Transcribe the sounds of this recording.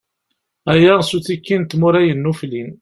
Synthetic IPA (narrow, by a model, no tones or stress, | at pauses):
æjæʁsuθikːint̪mʊɾæjənːuflin